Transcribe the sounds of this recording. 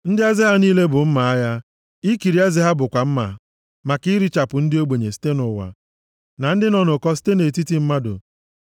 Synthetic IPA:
n̩˦dɪ˦a˦zɪ˦ɦa˦niː˦le˦bʊ˨m̩˦ma˨a˦ja˦ | i˦ki˨ɾi˨˦a˦zɪ˦ɦa˦bʊ˨kʷa˨m̩˦ma̰˨ | ma˨ki˦ɾi˦t͡ʃa˨pʊ˨n̩˦dɪ˦o˦ɡ͡be˨ɲe˨si̥˦te˦nʊ˨wa̰˨ | na˨n̩˦dɪ˦nɔ˦˨nʊ˨kɔ˦s̬i̥˦te˦ne˨ti˦ti˦m̩˦ma˦dʊ̰˨

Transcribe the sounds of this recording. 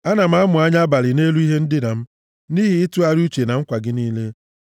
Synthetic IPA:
a˦na˨m̩˦a˦mʊ˨a˦ɲa˦ba˨lɪ˨ne˦lu˦i˦ɦe˦n̩˦dɪ˦na˨m̩˦ | ni˦ɦi˨ɪ˦tʊ˦a˦ɾu˦t͡ʃe˨na˨ŋ̩˦kʷa˨ɡɪ˦niː˦le˦

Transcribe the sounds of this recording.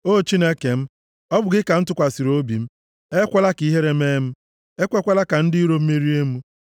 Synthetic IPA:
o˦˨t͡ʃi˦ne˦ke˨m̩˦ | ɔ˦bʊ˨ɡɪ˦ka˨n̩˦tʊ˦kʷa˨si˨ɾo˦bḭ˨m̩˦ | e˦kʷa˦la˦ki˦ɦe˦ɾe˦me˦m̩˦ | e˦kʷe˦kʷa˦la˦ka˨n̩˦dɪ˦i˦ɾo˦m̩˦me˦ɾi˦e˦mu˦

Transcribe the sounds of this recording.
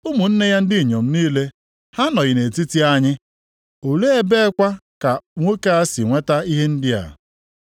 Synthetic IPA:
ʊ˦mʊ˨n̩˦ne˦ja˦n̩˦dɪ˦˨ɲo˨m̩˦niː˦le˦ | ha˦nɔ˨ɣɪ˨ne˨ti˦ti˦a˦ɲɪ˦ | o˨le˦e˦be˦kʷa˦ka˨ŋʷo˦ke˦a˦si˨ŋʷe˦ta˦i˦ɦe˦n̩˦dɪ˦a̰˨

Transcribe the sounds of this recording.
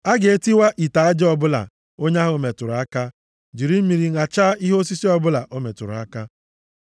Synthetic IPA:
a˦ɡe˨e˦ti˦wa˦ʔi˨ta˨a˦d͡ʒɪ˦ɔ˦bʊ˦la̰˨ | o˦ɲa˦ɦʊ˨me˨tʊ˨ɾʊ˨a˦ka˦ | d͡ʒi˨ɾi˦m̩˦mi˨ɾi˨ŋa˨t͡ʃa˦i˦ɦo˦si˦si˦ɔ˦bʊ˦la˨ʔo˦me˨tʊ˨ɾʊ˨a̰˦ka˦

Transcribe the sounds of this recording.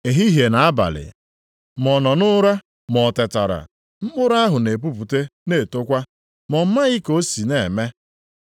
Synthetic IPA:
e˨ɦi˦ɦe˨na˨˦a˦ba̰˨lɪ̰˨ | mɔ˨nɔ˨nʊ˦ɾa˦ | mɔ˨te˨ta˨ɾa̰˨ | m̩˦bʊ˦ɾa˦ɦʊ˨ne˨p̬u˦p̬u˨te˦ne˦˨to˦kʷa˦ | mɔ˨m̩˦ma˦ɣɪ˦ko˦si˨ne˨me˦

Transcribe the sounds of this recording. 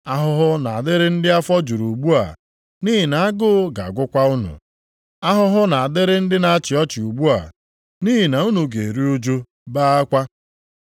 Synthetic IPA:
a˦ɦʊ˦ɦʊ˦na˨a˨dɪ˦ɾɪ˦n̩˦dɪ˦a˦fɔ˦d͡ʒu˨ɾu˨ɡ͡bu˦a̰˨ | ni˦ɦɪ˨na˨a˦ɡʊ˦ɡa̰˨a˨ɡʷʊ˦kʷa˦ʊ˦nʊ̰˨ | a˦ɦʊ˦ɦʊ˦na˨a˨dɪ˦ɾɪ˦n̩˦dɪ˦na˨a˦t͡ʃɪ˨ɔ˦t͡ʃɪ˨u˨ɡ͡bu˦a̰˨ | ni˦ɦi˨na˨u˦nu˨ɡe˨e˨ɾi˦u˦d͡ʒu˦ | baː˦a˦kʷa˦

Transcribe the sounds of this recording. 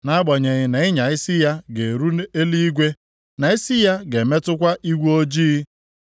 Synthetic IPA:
na˦a˦ɡ͡bɔ˨ɲe˨ɣɪ˨na˨ɪ˦ɲa˨ɪ˦sɪ˦ja˦ɡe˨ɾu˦e˦li˦i˦ɡʷe˦ | na˨ɪ˦sɪ˦ja˦ɡe˨me˦tʊ˦kʷa˦ʔi˦ɡʷu˦o˦d͡ʒiː˦

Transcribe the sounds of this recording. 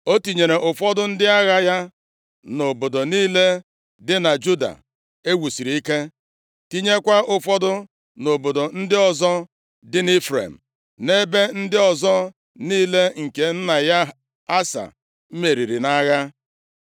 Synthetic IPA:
o˦ti˨ɲe˨ɾe˨ʔʊ˨fɔ˦dʊ˦n̩˦dɪ˦a˦ɣa˦ja˦ | no˨bo˨do˨niː˦le˦ | dɪ˦na˨d͡ʒu˦da̰˨ | e˦wu˨si˨ɾi˨i˦ke˦ | ti˦ɲe˦kʷa˦ʔʊ˦fɔ˦dʊ˦ | no˨bo˨do˨n̩˦dɪ˦ɔ˨zɔ˦ | dɪ˦nɪ˦fɾḛ˨m̩˨ | ne˦be˦n̩˦dɪ˦ɔ˨zɔ˦ | niː˦le˦ŋ̩˨ke˨n̩˦na˨ja˦ | a˦sa̰˨˦ | me˨ɾi˨ɾi˨na˦ɣa˦

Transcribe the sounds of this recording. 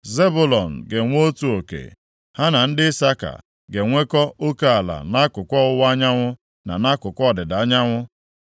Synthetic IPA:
ze˦bʊ˦lɔ˨n̩˨ɡe˨ŋʷ˦o˦tu˨o˨kḛ˨ | ha˦na˨n̩˦dɪ˦sa˦ka̰˨ | ɡe˨ŋʷe˦kɔ˦ʔo˦ka˦a˨la̰˨na˦kʊ˨kʷɔ˦ʊ˦wa˦ɲa˦ŋʷʊ˦ | na̰˨na˦kʊ˨kʷɔ˦˨dɪ˨da˨a˦ɲa˦ŋʷʊ˦

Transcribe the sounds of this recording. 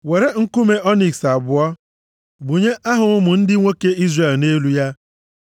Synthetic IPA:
we˨ɾe˦ŋ̩˦ku˦me˦ɔ˦ni˨ksa˨bʊ˨ɔ˦ | bu˨ɲe˦ʔa˦ɦʊ˨ŋʊ˦mʊ˨n̩˦dɪ˦ŋʷo˦ke˦i˦zre˨lne˦lu˦ja˦

